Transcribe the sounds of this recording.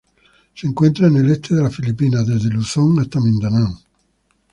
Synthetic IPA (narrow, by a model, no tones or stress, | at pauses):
siŋkwent̪ɾanelɛt̪ʰːed̪elafilipːiːnad̪ed̪elusɔŋet̪ːamind̪anaŋ